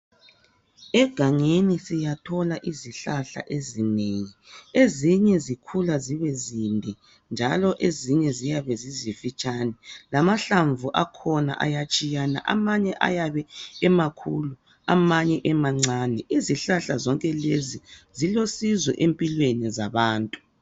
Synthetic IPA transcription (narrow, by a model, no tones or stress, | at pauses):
ɛɡ̥ʱaŋenisijatʰɔlaʔiziɬaɬa̰ʔezineŋieziɲɛzikʰulaziβɛzimbʱi | nd͡ʒʱalɔʔeziɲɛzijaβɛzizifit͡ʃʼanɛlamaɬaɱvuʔakʰɔna̰ʔa̰jat͡ʃʼijana̰ʔa̰maɲɛʔa̰jaβɛːmakʰulu | amaɲɛʔɛmaŋ͡ǀaːnɛʔiziɬaɬazɔŋkʼɛlezizilosizwɛ̰ʔempʼilwenizaβaːntʼu